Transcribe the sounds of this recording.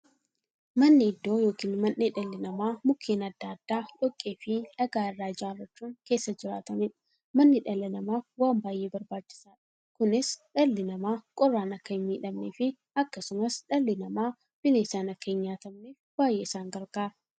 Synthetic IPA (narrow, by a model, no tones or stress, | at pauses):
mɐnːɪɪd̪ːo̞ːjo̞ːkiːnmɐnːeᶑɐlːɪnɐmaːmʊkʰːeːnɐd̪ːaːd̪̥ːaːᶑɔkʼːeːfɪnɐɡaːɪrːaːd͡ʒaːrːɐt͡ʃːuːŋke̞ːsːɐd͡ʒɪɾa̰ːt̪ɐmeːᶑɐ̥ | mɐnːɪᶑɐlːɪnɐmaːfwaːmbaːjʔe̞ːbɐɾbaːt͡ʃːɪ̥saːᶑɐ̥ | kʊnɪsᶑɐlːɪnɐmaːkʼɔrːaːnɐkːɐɪmːiːᶑɐmneːfɪ | ɐkːɐsʊmɐsᶑɐlːɪnɐmaː | b̥ɪneːsaːnɐkːɐɪɲːaːt̪ɐmneːfbaːjːeːɪsaːŋɡɐɾɡaːɾɐ